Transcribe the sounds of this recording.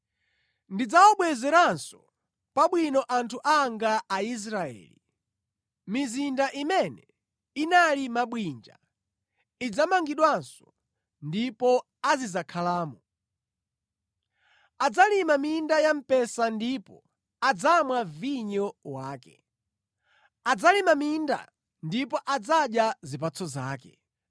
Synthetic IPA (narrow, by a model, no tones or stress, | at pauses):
ndid͡zawɔɓwɛzɛɾansɔ̥ | paɓwinɔʔantʰuʔaŋɡaːis̬ɾaɛ̰ːli | mizindaʔimɛnɛ | inalimaɓwind͡ʒa̰ | id͡zamaŋɡiɗwansɔ̥ | ndipɔ | azizakʰalaːmu | ad͡zalimamindajam̩pɛsandipɔ | ad͡zamwaviɲɔwaːkɛ̰ | ad͡zalimaminda̰ | ndipɔʔad͡zaɗjazip̬at͡sʰɔzaːkɛ̰